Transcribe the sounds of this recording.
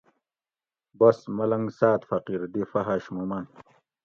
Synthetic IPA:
bɐsmɐlɐŋɡsaːt̪fɐqiɾd̪ifɐɦaɕmumɐn

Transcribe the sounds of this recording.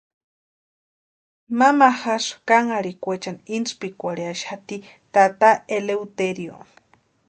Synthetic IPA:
mamaxaʂkaŋaɽikʷet͡ʃanint͡spikʷaɽiaʃhat̪i | t̪at̪aeleut̪eɾjo̰

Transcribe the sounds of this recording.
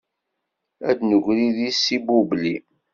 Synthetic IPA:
æ̰d̪nəʝʷɾiðisibubli

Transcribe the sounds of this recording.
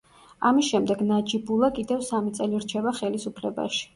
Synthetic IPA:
amisʃɛmd̪ɛɡnad͡ʒibulˠakʼid̪ɛvsamit̪sʼɛliɾt͡ʃʰɛbaχɛlisupʰlɛba̰ʃi̥

